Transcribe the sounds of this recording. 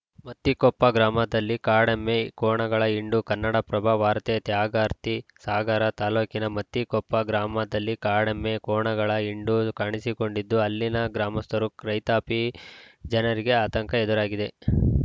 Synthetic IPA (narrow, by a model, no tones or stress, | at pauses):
mɐt̪ːikɔpːɐɡɾaːmɐd̪ɐlːikaːɽɐmːekɔːɳɐɡɐɭɐiɳɖukɐnːɐɽɐpɾɐbʱɐʋaːɾt̪eɐt̪jaːɡaːɾt̪isaːɡaːɾɐt̪aːloːkinɐmɐt̪ːikɔpːɐɡɾaːmɐd̪ɐlːikaːɽemːe̞kɔːɳɐɡɐɭɐiɳɖukaːɳisiko̞ɳɖid̪ːuɐlːinɐɡɾaːmɐst̪ɐɾukɾɐjt̪aːpid͡ʒɐnɐɾiɡe̞aːt̪ɐŋkɐed̪uɾaːɡid̪e̞